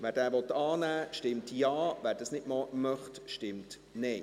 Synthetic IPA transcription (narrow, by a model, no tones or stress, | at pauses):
ʋæːɾdæːɾʋɔt̪ɑːnæːʃtɪmtjɑːʋæːɾd̥ɑsnɪtmɔmœχtʃtɪmt | nɛj